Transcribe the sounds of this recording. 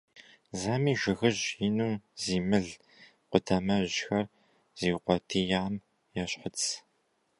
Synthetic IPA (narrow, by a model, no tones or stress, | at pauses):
zaːmiːʒɪɣɨʑjinuːmziːmɨɮ | qʷʊtʰamɐʑxɐr | z̥iːwqʷɔtʰiːjaːm | jaɕħət͡sʰ